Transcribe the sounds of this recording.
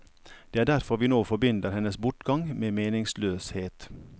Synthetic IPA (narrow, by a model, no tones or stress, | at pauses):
d̪̥eːæːɖæɾfɔɾʋiːnoːfɔbʏnd̪əɾhɛnəsbʊʈɡɑŋmeːmeːnɪŋsløːsheːt̪